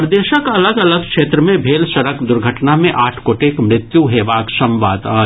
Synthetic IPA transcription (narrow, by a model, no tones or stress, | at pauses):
pɾd̪eːʃəkɐləɡɐləɡ̚kʃeːt̪ɾəmẽbʱeːlʃɐɾəkd̪ʊɾɡʱəʈnamẽʔaːʈʰkoːʈeːkmɾɪt̪juɦeːʋaːkʃɐ̃mʋaːd̪a̰ː